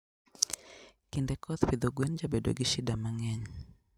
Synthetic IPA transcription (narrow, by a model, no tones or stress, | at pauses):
kindɛkʰɔt̪wid̪oɡwɛnd͡ʒabedo̰ɡiʃɪdamaŋɛɲ